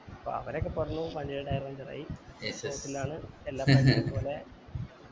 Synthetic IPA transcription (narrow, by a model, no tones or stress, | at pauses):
ɐpːo̰ɐ̰ʋɐɾokːepɐrɐnːuʋɐɳɖiɾeɽaːjirɐʋɐɲd͡ʑirɐ̰ːjieot̪ːilaːɳɨelːaːpoːle̞